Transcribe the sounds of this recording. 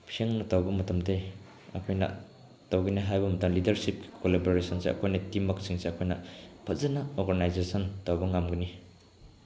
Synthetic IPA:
pʰieŋnɐtawbɐmɐtɐmdej | ɐ̰kʰojnɐ̰ | tawɡiniɦajbɐmɐtɐmlidɐɾsip̚kkoleboɾesɔnseɐ̰kʰojnɐtimːɐk̚siŋseɐkʰojnɐpʰɐzɐnaoɾɡanajzesɔntawbɐŋamɡɯni

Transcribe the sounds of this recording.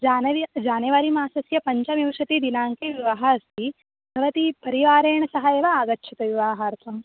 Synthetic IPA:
d͡ʒaːnɐʋid͡ʒaːnɐʋaɾimaːsɐsjɐpɐɲt͡ʃɐmjiʋʂɐt̪id̪inaːŋkeʋiʋɐɦɐɐst̪ʰi | bʰʱɐʋɐt̪ipɐɾiʋaːɾeːɳɐsɐɦɐjeːʋɐaːɡɐtːʃʰɐt̪ɐʋiʋaːɦaːɾt̪ɐm

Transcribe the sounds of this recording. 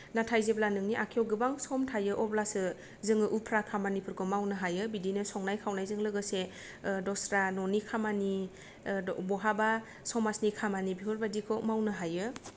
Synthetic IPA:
natʰajzeblanɯŋniʔakʰijɔwɡɯbaŋsɔmtʰajɯʔɔblasɯ | zɯŋɯʔupʰɾakʰamanipʰɯɾkʰɔmawnɯɦajɯbidinɯsɔŋnajkʰawnajzɯŋlɯɡɯse | dɔsɾanɔnikʰamani | bɔɦaba | sɔmasnikʰamanibiɦɔɾbadikʰɔmawnɯɦajɯ

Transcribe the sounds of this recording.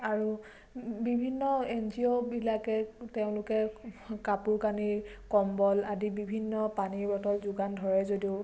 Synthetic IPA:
aɹu | bibʱinːɔenziɔbilakɛteʊ̃lʊkɛkapuɹkaniɹkɔmbɔladibibʱinːɔpaniɹbɔtɔlzʊɡandʱɔɹɛzodiʊ

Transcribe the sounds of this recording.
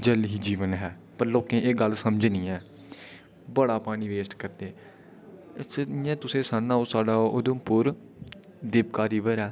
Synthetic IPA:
d͡ʒəlɦiːd͡ʒiːʋənɦɛː | pəɾloːkẽːʔeːɡəlsəmd͡ʒnĩːɛː | bəɽaːpaːɽ̃iːʋeːsʈkəɾd̪eː | sjãːt̪ʊsẽːsaːnːãːoːsaːɖaːʔod̪õpʊɾ | d̪eːpkaːɾiːʋəɾɛː

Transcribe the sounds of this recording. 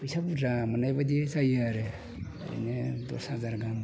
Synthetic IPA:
isapdamanajbad̪isajaɾḛ | ɾḭnedo̰sazaɾɡam

